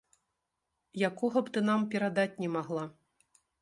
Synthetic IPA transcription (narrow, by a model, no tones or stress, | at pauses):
jakɔɣɐpt̪ɨnampʲɛɾad̪at͡sʲnʲɛmaɣlˠa